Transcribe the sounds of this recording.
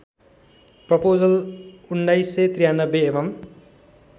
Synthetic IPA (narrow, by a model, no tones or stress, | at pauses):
prʌpod͡zʌlunːʌjset̪rijanʌbeːbʌm